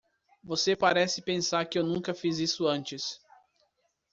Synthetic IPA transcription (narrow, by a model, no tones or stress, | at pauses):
vosepaɾɛsɪpẽsaɾkɪewnũŋkɐfizisʊɐ̃nt͡ʃɪs